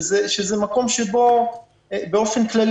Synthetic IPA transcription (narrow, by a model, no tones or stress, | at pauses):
zeʃezemako̞mʃebo̞ | beo̞fe̞nklal